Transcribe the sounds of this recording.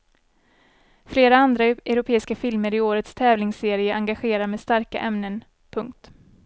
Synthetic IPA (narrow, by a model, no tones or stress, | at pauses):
fleːɾaand̪ɾaʔɛɾʊpʰeːɪskafɪlməɾɪoːɾət̪st̪ʰɛːvlɪŋseːɾɪəʔaŋɡaɧeːɾaɾmeːd̪st̪aɾka̰ʔɛmnən | pʰɵŋk̚t̪